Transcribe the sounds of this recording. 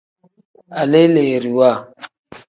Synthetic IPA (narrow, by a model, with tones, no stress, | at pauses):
a˨le˦le˨ɾi˨wa˦˨